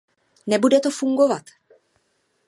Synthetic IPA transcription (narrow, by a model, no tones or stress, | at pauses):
nɛbudɛt̪ofuŋɡo̞vat̪